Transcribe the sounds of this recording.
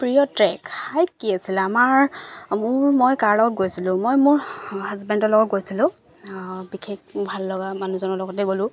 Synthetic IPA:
pɹijɔtɹɛkːajkːiasilamaɹmʊɹmojkaɹlɔɡɔt̚ɡojsilʊ̃mojmʊɹɦazbɛndɔlɔɡɔt̚ɡojsilʊ̃ | bikʰekbʱalːɔɡamanuzɔnɔlɔɡɔtɛɡolʊ̃

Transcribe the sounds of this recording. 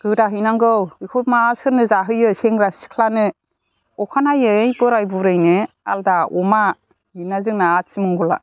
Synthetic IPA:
ɡ̥ɯdaɦɯjnaŋɡɯwikʰomasɯɾnɯzaɦɯjɯseŋɾasi̥kʰlanɯ | ɔkʰanajɯjpɯɾajbuɾɯjnɯ | a̰ldaɔma | inazɯŋnaːt̚simɯŋɡɔla̰

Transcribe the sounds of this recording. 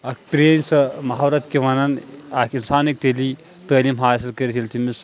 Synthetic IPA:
ɐkʰpɾensɐmaɦawɾɐt̪keʋɐnɐnakʰinsaːnik̚t̪eli | t̪əːlimɦaːsilkɐɾt͡ʃʰilt̪ʰimis

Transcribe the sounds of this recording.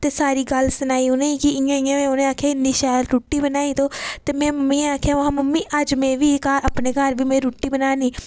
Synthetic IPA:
t̪eːsaːɾiːɡəlsʊnaːiːonẽːikiɪjãːɪjãːʋẽːʊnẽːaːkʰjaːɪnd̪iːʃaːlɾuːʈːiːbənaːiːt̪oːt̪eːmɛ̃ːməmːĩːaːkʰjaːʋãːməmːiːʔəd͡ʒmẽːʋiːkaɾəpneːkəɾʋiːmẽːɾuːʈːiːbənaːniː

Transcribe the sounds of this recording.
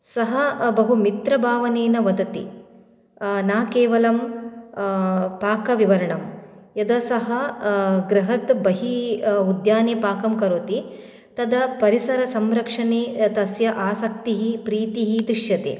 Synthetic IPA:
sɐɦɐbɐɦumit̪ɾɐbʱaːʋɐneːnɐʋɐd̪ɐt̪ḭ | naːkeːʋɐlɐm | paːkɐʋiʋɐɾɐɳɐm | jɐd̪ɐsɐɦɐɡɾɐɦɐt̪bɐɦiud̪jaːneːpaːkɐmkɐɾot̪i | t̪ɐd̪ɐpɐɾisɐɾɐsɐmɾɐkʂɐneːt̪ɐsjɐʔaːsɐk̚t̪iɦipɾiːt̪iɦid̪ɾiʂjɐt̪ḛː

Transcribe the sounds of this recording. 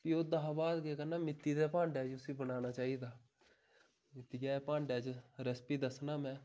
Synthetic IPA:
pioːd̪aɦabaːd̪keːkənːaːmɪt̪ːiːd̪aːpãːɳɖaːd͡ʒʊsĩːbənaːnaːt͡ʃaːiːd̪aː | mɪt̪ːiːd͡ʒaːpãːɳɖjaːd͡ʒɾəspiːd̪əsnaːmɛ̃ː

